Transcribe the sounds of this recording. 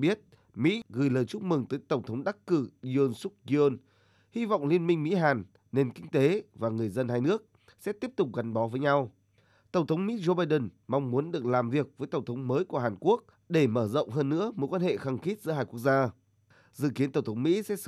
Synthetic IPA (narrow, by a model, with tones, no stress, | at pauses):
ɓi˦˥ət̚ | mḭ˧˥ɣɨ˨˩jləː˨˩jt͡ɕu˦˥k͡p̚mɨ˨˩ŋt̪əː˨˦jt̪ə˧˩wŋ͡mt̪ʰə˨˦ŋ͡mɗa˦˥kkɨ˧˩i˧o˧nsʊ˦˥k̚zi˧o˧n | hi˧va̰˧˨wŋ͡mli˧ənmï˧ŋ̟mḭ˧˥ɦaː˨˩nː | e˧nkï˧ŋ̟t̪e˨˦vaː˨˩ŋɨ˨˩əjzə˧nhaː˧jnɨ˦˥ək̚ | sɛ̰˧˥t̪i˦˥əp̚t̪ʊ˨˩k͡p̚ɣa˨˩jŋɓɔ˨˦vəː˨˦jɲa˧w | t̪ə˧˩ŋ͡mt̪ʰə˨˦wŋ͡mmḭ˧˥zo˧ɓaː˧jɗə˨˩n | ma˧wŋ͡mmu˨˦ənɗɨ˨˩ək̚laː˨˩mvi˨˩ək̚vəː˨˦jt̪ə˧˩wŋ͡mt̪ʰə˨˦wŋ͡mməː˨˦jku˧˩əɦaː˨˩nku˦˥ək̚ | ɗe˧˩məː˧˩zə̰˧˨wŋ͡mɦəː˧nːɨ̰˧˥əmo˨˩t̚kwaː˧nhḛ˧˨xa˧˩ŋxi˦˥t̚z̥ɨ̰˧˥˦aː˧jku˦˥ək̚zaː˧ | zɨ̰˧˨ki˨˦ənt̪ə˧˩ŋ͡mt̪ʰwŋ͡mmḭ˧˥sɛ̰˧˥